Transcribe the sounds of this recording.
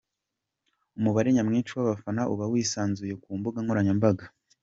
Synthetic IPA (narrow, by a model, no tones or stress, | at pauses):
umuβaɾe̞ɲamŋiːnt͡ʃuwaβafanaʔuβawiːsaːnzuje̞kuːmbuɡaŋoɾaɲambaɡa